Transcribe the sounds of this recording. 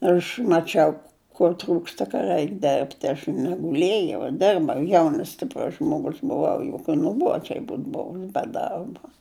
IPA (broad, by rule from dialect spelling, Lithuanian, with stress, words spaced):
ˈɐʃ mɐˈt͡ʃʲɛʊ kʊr ˈtruːkstɐ kɐ ˈrɐɪk ˈdʲɛrʲpʲtʲɪ ɐʃ nʲɛɡʊˈlʲeːjɛʊ ˈdʲɪrbɐʊ ˈjɛʊnɐs sʲtʲɪpˈrʊs ʒmoːˈɡʊs bʊˈʋɐʊ jʊk kɐ nʊˈbuɔd͡ʒʲɛɪ ˈbuːt ˈboːʋʲɪ bʲɛ ˈdɐrbɐ